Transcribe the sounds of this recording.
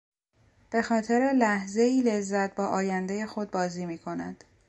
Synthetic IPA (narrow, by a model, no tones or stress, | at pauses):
b̥e̞xɒːt̪ʰe̞ɾe̞læhze̞iːle̞zːæt̪̚bɒːʔɒːjænd̪e̞je̞xo̞d̪̚bɒːziːmiːkʰo̞næ̰d̪̥